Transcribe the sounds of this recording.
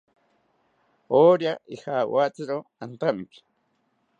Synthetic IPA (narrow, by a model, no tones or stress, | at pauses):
oːɾjaʔixawat͡sɪɾoant̪amki̥